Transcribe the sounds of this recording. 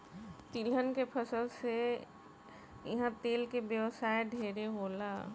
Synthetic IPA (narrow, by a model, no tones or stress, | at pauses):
t̪ilɦənkepʰəsəlse | jɐɦãt̪eːlkebjəwsaːeɖʱeːɾeɦoːla